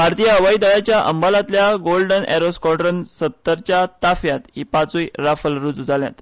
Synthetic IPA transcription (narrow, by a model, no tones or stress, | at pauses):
bʱaɾt̪ijaəʋaid̪əɭat͡ɕjaʔə̰mbalat̪ljaɡolɖənɛ̰ɾoskɔɖɾənsət̪ːəɾt͡ɕat̪afjat̪hipat͡suiɾafəlɾud͡zud͡zalja̰t̪